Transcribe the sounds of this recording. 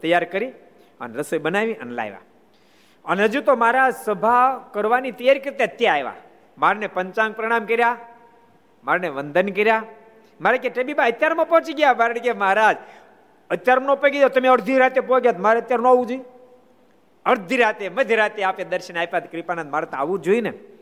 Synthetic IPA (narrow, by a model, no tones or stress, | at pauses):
t̪əjaɾkəɾi | ə̰nɾəsəjbənaʋiʔə̰nla̰jʋa̰ | ənɦəd͡ʒũt̪omaːɾad͡ʒsəbʱakəɾʋanit̪əjaɾikəɾt̪eət̪jaɾajʋa̰ | maɾnepəɲt͡ʃãŋɡ̚pɾəɽ̃amkəɾja | maɾneʋənd̪ʱənkəɾja | maɾakeʈebibaət̪jaɾmãpɔ̃t͡ʃiɡjamaɾɽkeməɦɾad͡ʒ | ət̪ːjaɾnõpeɡed̪ot̪əmeəɽd̪ʱiɾat̪epoɡjat̪maɾeət̪jaɾnũaʋũd͡ʒoi | əɾd̪ʱiɾat̪eməd̪ʱəɾat̪eaped̪əɾʃənapat̪kɾipanad̪maɾat̪a̰ʋũd͡ʒoine